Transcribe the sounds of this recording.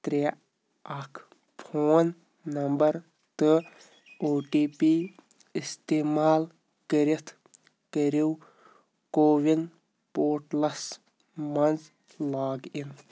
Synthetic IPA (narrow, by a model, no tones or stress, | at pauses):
t̪ɾe | ɐkʰ | pʰoːn | nːɐmbɐɾ | t̪ɨ | oːʈiːpiː | ist̪eːmaːl | kəɾit̪ʰ | kəɾiw | koːʋin | poːʈlɐs | mɐnz | laːɡin